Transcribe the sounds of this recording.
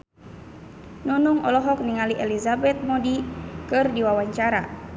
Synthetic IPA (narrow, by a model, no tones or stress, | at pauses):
nunuŋɔlɔɦɔk̚niŋaliʔɛlizabɛt̪̚mɔdikɨrdiwawaɲt͡ʃaɾa̰